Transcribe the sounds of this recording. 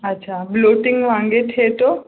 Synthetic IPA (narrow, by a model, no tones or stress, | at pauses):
ɐtːɕʰabloːʈɪŋɡʋãŋɡeʈʰet̪o